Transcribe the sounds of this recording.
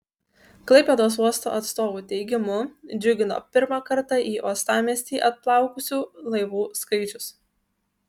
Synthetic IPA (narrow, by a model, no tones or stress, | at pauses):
klˠɐɪpʲed̪oːs̬uɔst̪o̰ːʔɐt̪st̪oːʋuːt̪ʲɛɪɡʲɪmʊd͡ʒʲʊɡʲɪno̰ːpʲɪɾmɑkɐɾt̪ɑʔiːʔuɔst̪ɑːmʲiɛsʲt̪ʲiːʔɐt̪̚plˠɑˑʊkʊsʲuːlˠɐɪʋuːskɐɪt͡ʃʲʊs